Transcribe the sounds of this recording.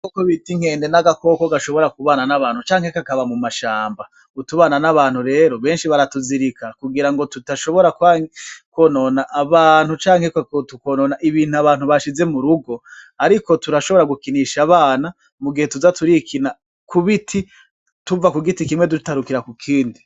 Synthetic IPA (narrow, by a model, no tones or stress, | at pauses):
kokoβitiŋ̥e̞ːnde̞naɡako̞koɡaʃo̞βo̞ɾakuβananaβaːnhut͡ʃaːŋ̥he̞kakaβamumaʃaːmba | utuβaːnanaβaːn̥huɾe̞ːɾo̞βe̞ːnʃiβaɾatuziɾikʰakuɡiɾaŋɡo̞tutaʃo̞βo̞ɾakwakwononaʔːβaːn̥hut͡ʃaːŋhekkotukononaʔiβiːnhuaβaːn̥huβaʃize̞muɾuɡo̞ | aɾiko̞tuɾaʃo̞βo̞ɾaɡukiniʃaβaːna | muɡihe̞tuzatuɾikʰina | kuβitʰi | tuvakuɡitikimwe̞du̥taɾukiɾakukʰiːndi